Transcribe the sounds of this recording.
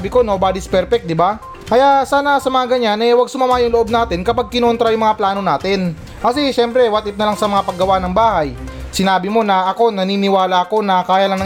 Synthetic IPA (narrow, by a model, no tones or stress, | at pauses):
bɪko̞nobad̪ɪspɛɾfɛk̚d̪ɪba | kɐjaʔsaːnɐsɐmɐŋaɡɐɲanʔɛwɐɡ̚sʊmamaːjʊŋloʔo̞b̚naːt̪ɛnkɐpaɡ̚kɪno̞nt̪ɾɐjʊŋmɐŋaplaːno̞naːt̪ɛn | kɐsɛʃɛmpɾɛwɐt̪ɪt̪̚nɐlaŋsɐmɐŋapɐɡɐwanɐŋbaːhɐjsɪnaːbɪmo̞nɐʔɐko̞nɐniːnɪwaːlɐʔɐko̞nɐkaːjɐlɐŋnɐ